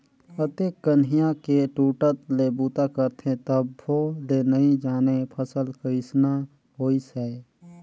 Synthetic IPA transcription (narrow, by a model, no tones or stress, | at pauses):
ət̪ekːənɦijãkeʈuːʈət̪lebuːt̪akəɾt̪ʰẽt̪əbːolenəĩd͡ʒaːnepʰəsəlkəɪsna | ɦoːisɛ